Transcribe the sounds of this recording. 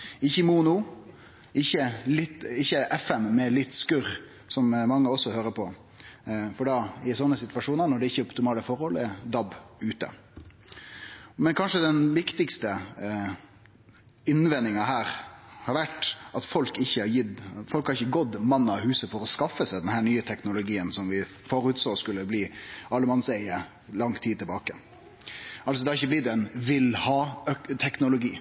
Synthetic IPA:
ɪçːəmuːnʊ | ɪçːəlɪt̪ɪçːəʔɛfɛmːɛlɪt̪ːskʉɾ | sɔmmɑŋːəɔsːɔhøːɾəpʰɔ | fɔɖɑɪsɔnːəsɪt̪ʋɑʂuːnəɾnɔɖɛɪçːəʊpt̪ɪmɑːləfɔɾhɔlɛd̪ɑbʉːt̪ə̰ | mɛnkʰɑnʂəd̪ɛnʋɪkt̪ɪkst̪ə | ɪnʋɛnːɪŋɑɦæːɾhɑɾʋæʈɑt̪fɔlkɪçːəhɑjɪd̪fɔlkhɑɾɪçːəɡɔd̪mɑnːəɑhʉːsəfɔɾɔskɑfːəsæɪd̪ɛnɦæːɳyːət̪ʰɛknʊlʊɡiːənsɔmʋɪ | fɔɾʉːt̪soːskʉlːəbliːɑlːəmɑnsæɪə | lɑŋt̪ʰiːd̪t̪ʰɪlbɑːkə | ɑls̬ɔd̪ɛhɑɾɪçːəblɪd̪ɛɛnʋɪlhɑːt̪ʰɛknʊlʊɡiː

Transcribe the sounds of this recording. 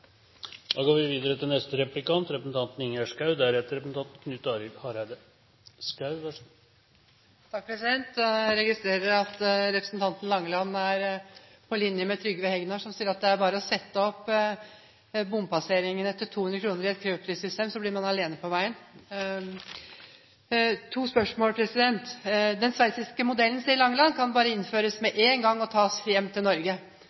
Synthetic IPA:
d̪ɑːɡoːɾʋɪʋiːd̪əɾət̪ʰɪnɛst̪əɾɛplɪkɑnt̪ɾɛpɾəsn̩t̪ɑnt̪n̩ɪŋæʂkɑʉd̪æɾɛt̪ːəɾɛpɾəsn̩t̪ɑnt̪̩kʰnʉt̪ːɑːɾɪlhɑɾæɪd̪ə | skɑʉʋæ | t̪ʰɑk̚pʰɾɛsɪd̪ɛnt̪ɾɛɡɪst̪ɾeːɾəɾɑt̪ɾɛpɾəsnt̪ʰɑnt̪n̩lɑŋːəlɑnːæɾ | pʰɔlɪnjəmɛt̪ʰɾʏɡːəʋəhɛɡnɑʂɔmsiːəɾɑt̪̚d̪ɛæɾbɑːɾəɔsɛt̪ːəɔpː | bʊmpɑseːɾɪŋənɛft̪ːəʈʰuːhʉnɾəkʰɾuːnəɾɪɛt̪kʰɾøːpʰɾiːsʏst̪eːmsɔblɪɾmɑnɑleːnəpʰɔʋæɪən | t̪ʰuːspœʂmoːlpʰɾɛsɪd̪ɛnt̪d̪ɛnsʋæɪsɪskəmʊd̪ɛlən̩siːəɾlɑŋːəlɑnːkʰɑnbɑːɾəɪnføːɾəsmɛʔeːnɡɑŋːɔt̪ʰɑːsjɛmːt̪ʰɪlnɔɾɡə

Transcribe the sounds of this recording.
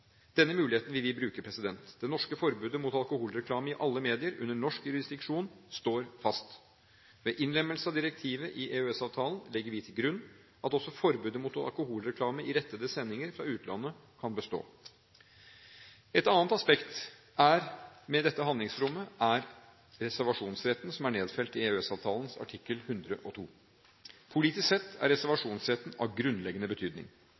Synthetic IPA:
d̪̥ɛnːəmʉːlɪheːt̪n̩ʋɪlʋɪbɾʉːkəpʰɾɛsɪd̪ɛnt̪d̪ɛnɔʂkəfɔɾbʉːd̪əmʊt̪ɑlkʊhuːlɾɛkʰlɑːməɪʔɑlːəmeːd̪ɪəɾʉ̰nːəɳɔʂkjʉɾɪsd̪ɪkʂuːnst̪oːɾfɑst̪ | ʋeːʔɪnlɛmːəlsəɑʋd̪ɪɾɛk̚t̪ʰiːʋəʔɪʔeøɛsɑːʋt̪ʰɑːlən̩lɛɡːəɾʋɪt̪ʰɪlɡɾʉnː | ʔɑt̪ɔsːɔfɔɾbʉːd̪əmʊt̪ɑ̰lkʊhuːlɾɛkʰlɑːməɪɾɛt̪ːəd̪əsɛnːɪŋəɾfɾɑ̰ʉːt̪lɑ̰nːə | kʰɑnbəst̪o̰ː | ɛt̪ɑnnt̪ɑspɛkt̪ | ʔæɾmɛd̪ɛt̪ːəɦɑnd̪ɪŋsɾʊmːəʔæɾ | ɾɛsæɾʋɑʂuːnsɾɛt̪n̩sɔmæɳeːd̪fɛlt̪ɪeøɛsɑːʋt̪ʰɑːlən̩sɑ̰ʈʰɪkːəlhʉnd̪ɾəʔɔt̪ʰṵː | pʰʊliːt̪ɪsksɛt̪ːæ̰ɾɾɛsæɾʋɑʂuːnsɾɛt̪ːn̩ɑ̰ʋɡɾʉnːlɛɡənəbət̪ʰyːd̪nɪ̰ŋ

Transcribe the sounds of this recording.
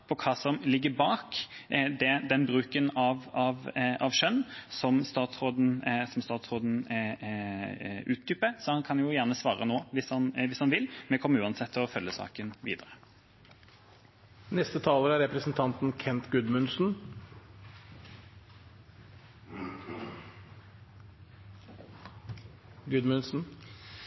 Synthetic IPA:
pʰɔkʰɑːsɔmlɪɡːəbɑːkd̪ɛd̪ɛnbɾʉːkənɑʋɑʋɑʋʂœnːsɔmst̪ɑːt̪sʁoːd̪n̩sɔmst̪ɑːt̪sʁoːd̪n̩ | ʉːt̪̚d̪ʏpːəɾsɔhɑnkʰɑnjʊjæːʁnəsʋɑ̰ːɾə̰noːʋɪshɑnʋɪshɑnʋɪlːmɛkʰɔmːəʉːɑnsɛt̪ʰːɪlɔfœlːjəsɑ̰ːkənʋḭːd̪əʁə | nɛst̪ət̪ʰɑːləɾæɾɛpɾəsn̩t̪ʰɑnt̪n̩kʰɛnt̪ɡʉd̪mʉnsn̩ | ɡʉd̪mʉnsn̩

